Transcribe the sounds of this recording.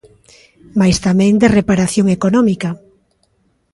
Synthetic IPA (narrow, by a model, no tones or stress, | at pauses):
majst̪amɛ̃ŋd̪erepaɾaθjoŋekonɔmika